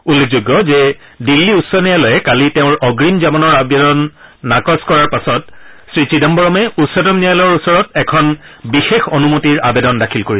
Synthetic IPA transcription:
ulːek̚ʰzuɡːɔzɛ | dilːiutsɔnijalɔjɛkaliteʊ̃ɹɔɡɹimzabɔnɔɹabedɔnːakɔskɔɹaɹpasɔt̚sɹisidambɔɹɔmɛutsɔdɔmnijalɔɹusɔɹɔtɛkʰɔn | bixexonumotiɹabedɔndakʰilkoɹisɛ

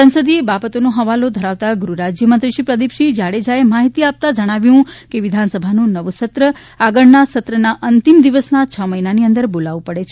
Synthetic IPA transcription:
sə̃nsəd̪iebabət̪onoɦəʋalod̪ʱəɾaʋt̪aɡɾuɾad͡ʒjəmənt̪ɾiʃipɾəd̪ipʃid͡ʒaɽed͡ʒaemaɦit̪iap̚t̪ad͡ʒəɽ̃aʋjũkeʋid̪ʱansəbʱanũnəʋusət̪ɾə | aɡəɭnasət̪ɾənaʔənt̪imd̪iʋəsnat͡ʃʰəməinaniənd̪əɾbolaʋũpəɽet͡ʃʰe

